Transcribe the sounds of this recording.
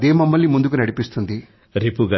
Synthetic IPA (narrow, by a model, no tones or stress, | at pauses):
d̪eːmɐmːɐlnimund̪uk̬unɐɽipist̪und̪i | ɾipuɡɐ